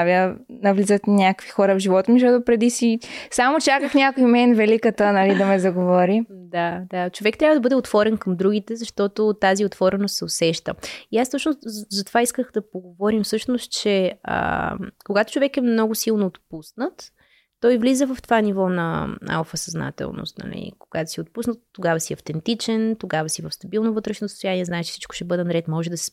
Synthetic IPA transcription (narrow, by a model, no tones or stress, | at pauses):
avjənɐvlizət̪nʲakəkvixɔɾəvʒivɔt̪omizʃ̬ɔt̪ʊpɾɛd̪isisamot͡ʃakəxnʲakoimɛnvɛlikət̪ənɐlid̪ɐmɛzɐɡovɔɾid̪ad̪at͡ʃovɛk̚t̪ɾʲavəd̪ɐbɤd̪ɛot̪vɔɾɛnkɐmd̪ɾuɡ̟it̪ɛzɐʃt̪ɔt̪ot̪aziot̪vɔɾɛnost̪sɛosɛʃt̪ə̰iast̪ɔt͡ʃnozɐt̪ovaiskəxd̪ɐpoɡovɔɾimfsɤʃnost̪t͡ʃɛə̰koɡat̪o̥t͡ʃovɛkɛmnɔɡʊsilˠnoːt̪pusnət̪ː | ɔjvlizəvəft̪ovanivɔnɐ̰a̰lˠfɐsɐzna̰t̪ɛ̰lˠno̰st̪nɐ̰lḭkoɡ̥at̪o̥siot̪pusnət̪ːoɡavəsiɐft̪ɛnt̪it͡ʃɛnt̪oɡavəsivəfst̪ɐbilˠnovɤt̪ɾɛʃnosə̥st̪ʊjaniɛznaɛt͡ʃɛ̥fsit͡ʃkʊ̥ʃɛbɤd̪ɛnɐɾɛt̪mɔʒɛd̪ɐsi̥